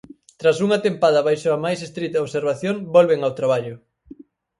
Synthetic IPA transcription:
t̪ɾas̬uŋɐat̪empaðɐβajʃoamajsest̪ɾit̪ɐoβseɾβaθjoŋbolβeŋawt̪ɾaβ̞aʎʊ

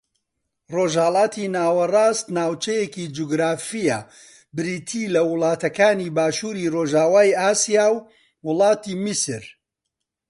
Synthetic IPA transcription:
roːʒhɐlˠɑːt̪ʰinaːwɐraːst̪naːwt͡ʃɐjekid͡ʒuɡɾaːfija | bɨɾiːt̪ʰiːlɐwʊlˠɑːt̪ɐkaːniːbaːʃuːɾiroːʒaːwaːjaːsijaːw | wʊlˠɑːt̪iːmisɨɾ

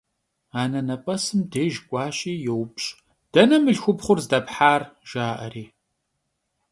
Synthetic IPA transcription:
aːnɐnɐpʼɐsɨmdeːʒkʷʼɑːɕʼiːjɛwpɕʼ | d̥ɐnɐmɨɮxʷʊpχʷʊrzdɐpħaːrʒ̥aːʔɐ̰riː

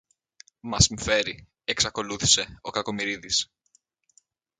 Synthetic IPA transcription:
mɐsiɱfe̞ɾi | eksɐko̞luθi̥se̞o̞kɐko̞miɾiðis

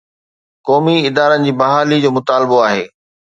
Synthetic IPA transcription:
kɔːmiɪd̪aːɾənɪ̆d͡ʑiːbɐɦaːlid͡ʑoːmʊt̪aːlɪboaːɦeː

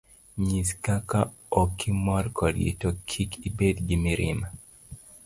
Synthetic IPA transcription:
ɲiskaka | ɔkʰimɔrkʰɔdjḛtokʰikʰibedɡimiɾḭma

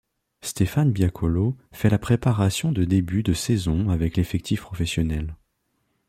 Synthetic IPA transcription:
st̪efanbjakʰɔlofɛlapχepaʁasjɔ̃d̪əd̪ebyd̪əsɛzɔ̃avɛklefɛk̚t̪ʰifpχɔfɛsjɔnɛl

